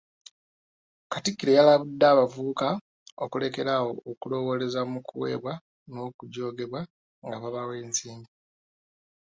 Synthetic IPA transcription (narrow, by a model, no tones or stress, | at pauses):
katikːiɾe̞jalaβudːaːβavuuka | okule̞ke̞ɾawo̞ːkulo̞wo̞le̞zamukʰuwe̞̰ːβwa | nokuɟo̞ːɡe̞βwa | ŋɡaβaβawe̞ːnsiːmbi